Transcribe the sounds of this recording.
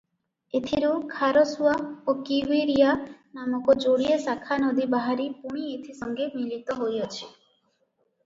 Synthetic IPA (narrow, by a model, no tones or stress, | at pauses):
et̪ʰiɾukʰaɾɔsuaokiwiɾijanamɔkɔd͡ʒoɽiesakʰanɔd̪ibaɦaɾipuɽ̃iet̪ʰisɔŋɡemilit̪ɔɦojɔt͡ʃʰi̥